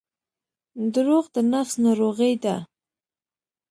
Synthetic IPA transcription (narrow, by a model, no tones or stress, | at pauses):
d̪əɾoɣd̪ənafsnɑɾoɣəjd̪a